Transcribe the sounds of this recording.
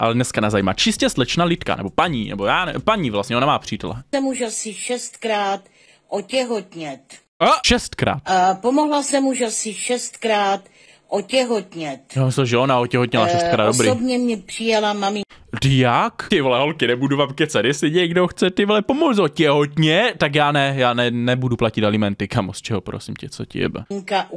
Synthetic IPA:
ʔa̰lɛdnɛskanazajima̰t͡ʃɪscɛslɛt͡ʃnalɪt̪ka̰nɛ̰bo̞paɲiːnɛ̰bojaːnɛpaɲiːvlast̪ɲɛʔonamaːpr̝̥iːt̪ɛ̰lɛ̰ɛmuʃasɪʃɛst̪kɾaːt̪ | ʔocɛɦot̪ɲɛt̪ | aʃɛst̪kɾa̰ːt̪pomoɦlasɛmuʃasɪʃɛst̪kɾaːt̪ | ʔocɛɦot̪ɲɛt̪jaamɪsɛlʒɛonaocɛɦot̪ɲɛlaʃɛst̪kɾaːdobɾiobɲɛmɲɛpr̥ɪjɛlamamɪŋtɪjakɪvolɛɦolkɪnɛbuduvamkɛt͡sɛdɪsɪɟɛɡdoxt͡sɛt̪ɪvolɛpomolzocɛɦot̪ɲɛt̪ak̬jaːnɛjaːnɛnɛbuduplacɪt̪alɪmɛnt̪ɪkamost͡ʃɛɦopɾo̰sɪmcɛt͡so̰cɪ̰jɛ̰bɛ̰ŋkaʔ

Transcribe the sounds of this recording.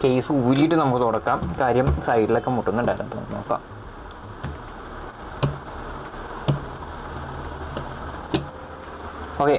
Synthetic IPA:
ke̞jsɨuːɾijːʈːɨnɐmukːɨt̪uɽɐkːaːmkaːɾjɐmsɐjʈiɭokːemuʈːunːuɳɖaːjiɾṵnd̪ṵnoːkːa̰ːm | o̞ːkːe

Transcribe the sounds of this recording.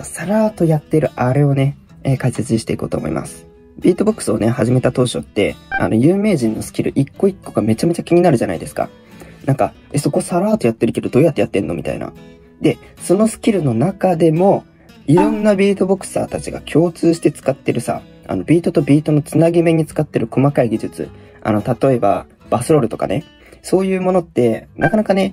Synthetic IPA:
saɾaːt̪o̞jat̪ːeɾɯ̟ʔaɾe̞o̞ne̞ | ekaiset͡sɨɕi̥t̪e̞iko̞̰ːt̪o̰moḭmʔa̰sɨ̥ | bʲiːt̪o̞bo̞kːɯ̥sɨo̞ne̞haʑime̞t̪at̪o̞ːɕo̞̰t̪ːe̞̰a̰no̞jɯːme̞ːʑĩnːo̞sɨ̥kʲiɾɯ̟ʔikːo̞ikːo̞ɡame̞t͡ɕame̞t͡ɕakʲiɲ̟inaɾɯ̟ʑana̰id̪esɨ̥ka̰ | nãŋka | eso̞kosaɾaːt̪o̞jat̪ːe̞ɾɯ̟ke̞d̪o̞d̪o̞ːjat̪ːejat̪ːẽ̞nːo̞mʲit̪a̰ḭna̰ | d̪e̞ | so̞no̞sɨ̥kʲiɾɯ̟no̞nakad̪e̞mo̞ | iɾõ̞nːabʲiːt̪o̞bo̞kɯ̥sa̰ːt̪at͡ɕiɡakʲʰo̞ːt͡sɨːɕi̥t̪e̞t͡sɨ̥kat̪ːe̞ɾɯ̟sa̰ | a̰no̞bʲiːt̪o̞t̪o̞bʲiːt̪o̞no̞t͡sɨnaɡʲime̞ɲ̟it͡sɨ̥kat̪ːe̞ɾɯ̟ko̞makaiɡʲiʑɨt͡sɨ̰ | a̰no̞t̪at̪o̞e̞ba̰ | b̥asɨɾo̞ɾɯ̟t̪o̞ka̰ne̞̰ | so̞ːjɯ̟ːmo̞no̞t̪ːe̞nʔakanakane̞

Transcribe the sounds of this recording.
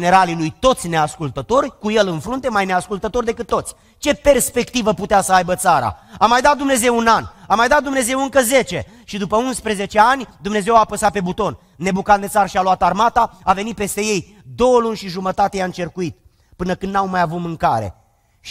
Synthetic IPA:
ne̞ɾalilujt̪o̞t̪sʲneaskult̪ət̪o̞rʲkuje̞lɨnfɾunt̪e̞majne̞askult̪ət̪o̞rd̪e̞kɨt̪ːo̞t̪sʲ | t͡ʃe̞pe̞rspe̞kt̪ivəput̪easəajbət̪saɾa̰amajd̪at̪̚d̪umne̞ze̞wunanamajd̪at̪̚d̪umne̞ze̞wɨŋkəze̞t͡ʃe̞ | ʃid̪upəunspɾeze̞t͡ʃe̞anʲd̪umne̞ze̞wapəsat̪̚pe̞but̪o̞nːe̞bukat̪̚d̪esaɾʃialuat̪armat̪aave̞nit̪̚pe̞st̪e̞je̞j | d̪o̞wəlunʲʃiʒumət̪at̪ejaɨnt͡ʃe̞rkuit̪ | pɨnəkɨnd̪nawmajavut̪mɨŋkaɾe̞̰

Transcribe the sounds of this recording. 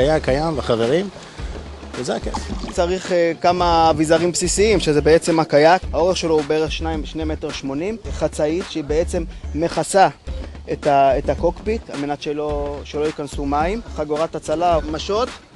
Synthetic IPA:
ajakːajambaχave̞ʁim | vezeakest͡saʁiχekamavizaʁimpsisiimʃezebeet͡se̞makajakhao̞ʁeχʃe̞lo̞ubeeʁeχʃnaʃneme̞teʁʃmo̞nimχat͡saitʃeibe̞et͡se̞mːe̞χasaetaetako̞kbit̪a̰lme̞natʃeloʃelo̞jikansumaimχaɡoʁathat͡salamaʃo̞t̪

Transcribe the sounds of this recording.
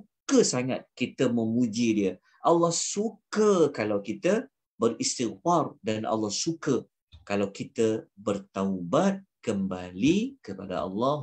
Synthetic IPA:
sukəsaŋa̰t̪̚kit̪əmə̃mud͡ʒidiə | ʔalːɑhsukəkalawkit̪ə | bərist̪iɣfardanʔa̰lːɑhsukə | kalawkit̪əbərt̪awbat̪̚kəmba̰likəpa̰da̰ɑ̰lːɑ

